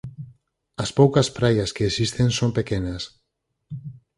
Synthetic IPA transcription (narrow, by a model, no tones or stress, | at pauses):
ɐspowkɐspɾajaskeːsist̪ensompekenɐs